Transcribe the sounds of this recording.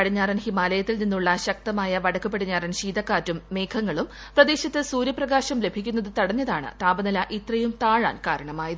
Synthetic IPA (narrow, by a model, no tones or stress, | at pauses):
ɐɽiɲːaːrɐnhimaːlɐjɐt̪ːilninːuɭːɐɕɐk̚t̪ɐmaːjɐʋɐɽɐkːupːeɽiɲːaːrɐnɕiːd̪ɐkːaːtːumːe̞ːkʰɐŋːɐɭum | prɐd̪e̞ːɕɐt̪ːɨsuːɾjɐprɐɡaːɕɐmle̞bʱikʲːunːɐðɨt̪ɐɽɐɲːɐðaːɳɨ̰t̪aːbɐnɐlɐʔit̪rɐjumt̪aːɻa̰ːnkaːɾɐɳɐmaːjɐðɨ